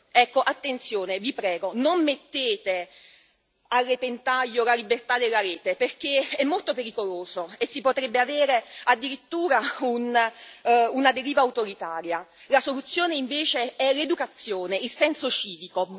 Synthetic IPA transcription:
ɛkːoʔat̪ːent̪sjoːnevipɾɛːɡonomːet̪ːeːt̪e | arːepent̪aʎːolalibert̪ad̪ːelːaɾɛːt̪eperk̟eɛmːolt̪opeɾikoloːzoesːipot̪ɾebːeaveːɾead̪ːiɾit̪ːuːɾaun | unad̪eɾiːvaut̪oɾit̪aːɾjalasolut̪sːjoːneiɱveːt͡ʃeɛled̪ukat̪sːjoːneilsɛnsot͡ʃiːviko

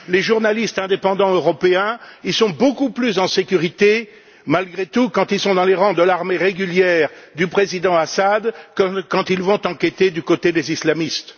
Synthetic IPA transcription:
leʒuʁnalist̪ɛ̃d̪epɑ̃d̪ɑ̃øʁɔpeɛ̃ilsɔ̃bokuplyzɑ̃sekʲyʁit̪e | malɡʁet̪ukɑ̃t̪ilsɔ̃d̪ɑ̃leʁɑ̃d̪əlaʁmeʁeɡʲyljɛːʁd̪ypχezid̪ɑ̃asad̪kkɑ̃t̪ilvɔ̃t̪ɑ̃kʲet̪ed̪ykot̪ed̪ezislamist̪

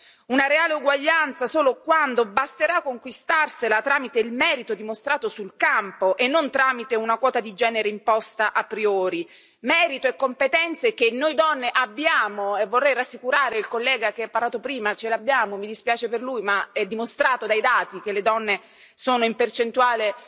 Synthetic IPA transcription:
unaɾeaːleuɡwaʎːant̪sasoːlokwand̪obast̪eɾakːoŋkwist̪arselat̪ɾaːmit̪eilmɛːɾit̪od̪imost̪ɾaːt̪osulkampoʔenːont̪ɾaːmit̪eunakwɔːt̪ad̪id͡ʒɛːneɾeimpɔst̪aʔapːɾioːɾi | mɛːɾit̪oekːompet̪ɛnt̪sekenːojd̪ɔnːeʔabːjaːmoevːorːɛjɾasːikuɾaːɾeilkolːɛːɡak̟eapːarlaːt̪opɾiːmat͡ʃelabːjaːmomid̪ispjaːt͡ʃeperlujmaɛd̪ːimost̪ɾaːt̪od̪ajd̪aːt̪ik̟eled̪ɔnːe | soːnoimpert͡ʃent̪uaːle

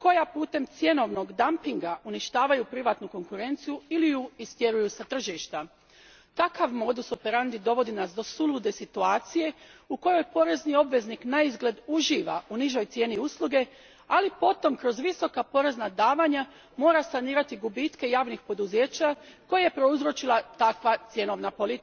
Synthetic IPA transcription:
ko̞japuːt̪e̞mt̪sje̞no̞ʋno̞ɡd̪ampiŋɡauniʃt̪aːʋajupɾiʋaːt̪nuko̞ŋkuɾe̞nt̪sijuiliuist̪je̞ɾujusat̪r̩ʒiʃt̪a | t̪akaʋmo̞d̪usopeɾand̪id̪o̞ʋo̞d̪inasd̪o̞sulud̪e̞sit̪uaːt̪sije̞uko̞jo̞jpo̞ɾe̞znio̞bʋe̞zniknaizɡle̞d̪uʒiːʋauniʒo̞jt̪sʲje̞ːniuslˠuɡe̞ | alipo̞t̪o̞mkɾo̞zʋiso̞kapo̞ɾe̞znad̪aːʋaɲa | mo̞ːɾasaniːɾat̪iɡubit̪ke̞jaːʋnixpo̞d̪uze̞ːt͡ɕako̞jejepɾo̞uzɾot͡ʃilˠat̪akʋat̪sje̞no̞ʋnapo̞lit̪i

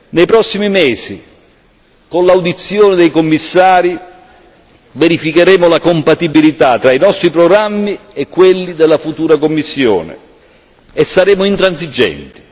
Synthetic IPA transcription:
nejpɾɔsːimimeːsḭ | konlawd̪it̪sːjoːnɪd̪ejkomːisːaːɾi | veɾifikeɾɛːmʊlakompat̪ibilit̪at̪ːɾainɔst̪ɾipɾoɡɾamːiekːwelːid̪elːafut̪uːɾakomːisːjo̰ːnḛ | esːaɾɛːmʊint̪ɾans̬id͡ʒɛ̰nt̪i̥

